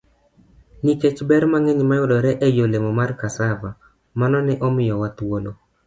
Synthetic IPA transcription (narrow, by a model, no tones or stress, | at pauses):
niket͡ʃbɛɾmaŋeɲmajʊdɔɾɛʔejolemɔmarkasava | manɔnɪʔɔmɪjɔwat̪wolo